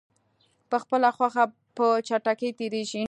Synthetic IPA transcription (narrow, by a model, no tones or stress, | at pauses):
pəxpəlaxwaxa | pət͡ʃaʈakejt̪eɾeʒi